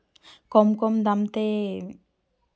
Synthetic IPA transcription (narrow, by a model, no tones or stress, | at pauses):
kɔmkɔmd̪amt̪e